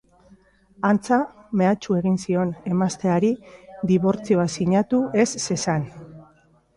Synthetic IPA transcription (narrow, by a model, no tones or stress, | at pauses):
ant͡same̞at͡ʃue̞ɣinsio̞ne̞mast̪e̞aɾid̪iβ̞o̞ɾt͡sio̞asiɲat̪ue̞sːe̞san